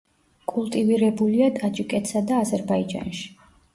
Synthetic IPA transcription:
kʼulˠt̪ʼiviɾɛbuliad̪ʼad͡ʒʼikʼɛt̪sad̪aːzɛɾbaid͡ʒa̰nʃi̥

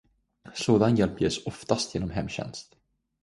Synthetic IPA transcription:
soːd̪anjɛlpjeːsɔft̪ast̪ʰjeːnɔmɦɛmːɕɛ̰nst̪

